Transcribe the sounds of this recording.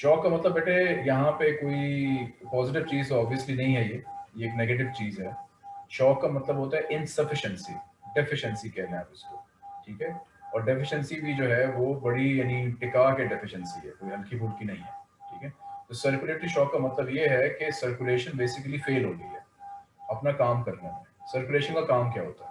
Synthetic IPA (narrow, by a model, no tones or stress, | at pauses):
ʃɔːkːamɐt̪ləbɛːʈʰejɐɦãpekoːipɔːzɪʈɪʋt͡ʃiːzɔːbijəslinɐɦĩɦɛjeːjeeːkneːɡeːʈ̬ɪʋt͡ʃiːzɦɛʃɔːkːamɐt̪ləbɦoːt̪aɦɛʔɪnsɐfɪʃə̃nsḭɖɪfɪʃə̃nsikɛːlẽa̰ːpɪsko̰ | ʈʰiːkɦɛɔːɾɖɪfɪʃənsibʱid͡ʒoːɦɛʋobɐɽijaːnĩʈɪkakeɖɪfɪʃə̃nsiɦɛ̰koːiɦɐlkʰibʱuːɽkinɐɦĩɦɛːʈʰḭːkɦɛt̪osəɾkjʊleːʈɪʃɔːkːamɐt̪ləbjeɦɛkesəɾkjʊleːʃənbeːsɪkəlifeːlɦoːɡɐḭɦɛːɐpnakaːmkɐɾnemẽsəɾkjʊleːʃə̃nkakaːmkjaɦo̰ːt̪aɦɛ